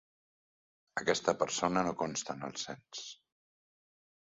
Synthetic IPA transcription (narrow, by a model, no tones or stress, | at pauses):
əkɛst̪əpəɾsonənokonst̪ənə̰lˠsɛns